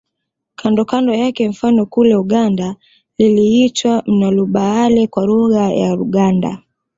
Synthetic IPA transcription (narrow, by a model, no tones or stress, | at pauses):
kʰandɔkandɔjakɛɱ̩fanɔkulɛuɠanda | liliitwam̩naluɓaalɛkwaɾuɣaja̰ɾuɠanda̰